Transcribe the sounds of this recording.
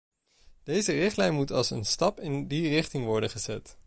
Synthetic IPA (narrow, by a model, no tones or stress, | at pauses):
d̥ejzərɪχtlɛjnmutɑ̰lˠsə̰nstɑpɪndirɪχtɪŋʋɔɹdənχəzɛt